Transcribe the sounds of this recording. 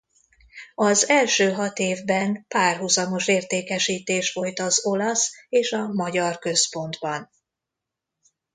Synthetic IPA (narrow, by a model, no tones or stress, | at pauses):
ɒzɛlʃøːɦɒt̪eːvbɛnpaːrɦuzɒmo̞ʃeːrt̪eːkɛʃiːt̪eːʃʋo̞lt̪ɒzo̞lɒseːʃɒmɒɟɒrkø̞spo̞nd̪bɒn